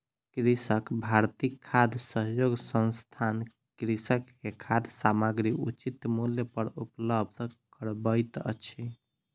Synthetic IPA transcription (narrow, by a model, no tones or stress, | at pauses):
kɾisəkbʱaɾt̪ikʰːad̪ʱsəɦjoɡsə̃nst̪ʰan | kɾisəkːekʰad̪samaɡɾiut͡ʃit̪muljəpəɾupləb̚d̪ʱkəɾbəjt̪ə̰t͡ʃʰi